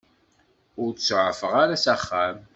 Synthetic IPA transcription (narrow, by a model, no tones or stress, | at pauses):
ʊɾt͡ssʕəfəʁaɾasæχːæm